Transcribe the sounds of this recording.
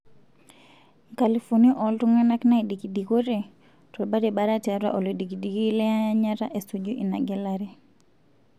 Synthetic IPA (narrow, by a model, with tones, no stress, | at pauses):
ka˨li˨fu˨ni˦ʔɔ˨ltu˦ŋa˦na˦kna˦i˨di˨ki˨di˨ko˦ɾe˨ | tɔ˨lba˦ɾe˨ba˦ɾa˦ta˨ɾa̰˦ʔɔ˨li˨di˨ki˨di˨ki˦lɛ˦a˦a˦ɲa˦ɾa˦ʔe˨so˨d͡ʒu˦ʔi˨na̰˨ɡɛ˦la˦ɾe˦